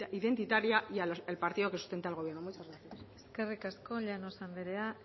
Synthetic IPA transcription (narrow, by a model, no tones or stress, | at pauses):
ʔiðe̞nt̪it̪aɾiajaelpaɾt̪iðokesu̥st̪ent̪ealɣo̞β̞je̞ɾnomujt͡ʃazɣɾaθiaseske̞rikasko̞ʎanosand̪iɾea